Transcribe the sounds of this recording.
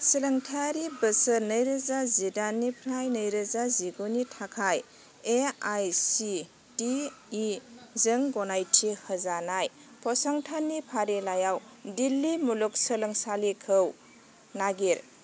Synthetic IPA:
siləŋtʰaɾibəsənəjɾəzazidanːipʰɾajnəjɾəzaziɡunitʰakʰaj | eajsi | tiː | zəŋɡɔnajtʰihəzanaj | pʰɔsaŋtʰanːipʰaɾilajaw | dilːimuluk̚sələŋsalikʰəw | naɡiɾ

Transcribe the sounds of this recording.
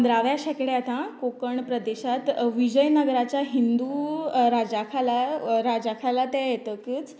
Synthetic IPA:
nd̪ɾaʋjaɕɛkɽeat̪ãkokəɳpɾəd̪eɕat̪ʋid͡ʑəjnəɡɾat͡ɕjaɦind̪uɾad͡ʑakʰalaɾad͡ʑakʰalat̪ajet̪əkiːt͡s

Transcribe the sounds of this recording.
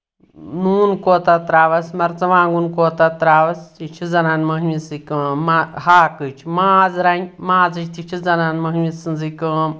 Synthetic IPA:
nuːnkoːt̪at̪ɾaːʋɐsmɐɾt͡sɐʋãːŋɡunkoːt̪at̪ɾaːʋɐst̪it͡ʃʰid͡zɐnaːnmɐɦmisikɨmahaːkɨt͡ʃʰmaːd͡zɾanʲmãːzɨt͡ʃʰʲt̪it͡ʃʰizɐnanmɐɦmisɨnd͡zikə

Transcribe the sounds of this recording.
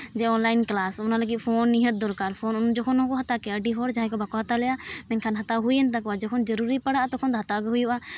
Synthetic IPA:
d͡ʒɛɔnlajnklasɔnaləɡit̪̚pʰɔnːiɦət̪̚d̪ɔlkaɾpʰɔnund͡ʒɔkʰɔnɔ̃kɔɦat̪akɛəɖiɦɔɾd͡ʒaɦãkɔbakɔɦat̪alɛjamɛnkʰanɦat̪aɦujənt̪akɔad͡ʒɔkʰɔnd͡ʒəɾuɾipəɽaʔt̪ɔkʰɔnt̪ɔɦat̪aɡɦujʔa

